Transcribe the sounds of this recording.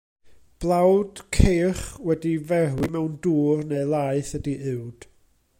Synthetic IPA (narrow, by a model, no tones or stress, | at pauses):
b̥lˠawd̥kʰeːχwɛdivɛrwimɛwnduːrneɨlˠaɨθədiʔɨwd̥